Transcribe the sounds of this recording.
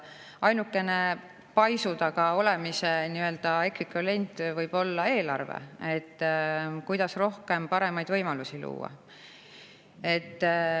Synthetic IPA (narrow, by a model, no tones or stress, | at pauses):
ɑjnukːˑe̞ne̞ | pɑjsud̪̥ɑɡ̥ɑo̞le̞mise̞niø̞ld̪̥ɑe̞kɾikɑle̞nʲt̪ˑvɤjb̥o̞lːɑe̞ːlɑ̰rvḛe̞t̪ːkujd̪ɑsro̞hke̞mpɑɾe̞mɑjd̪̥vɤjmɑlusilṵːɑ̰ | e̞t̪ː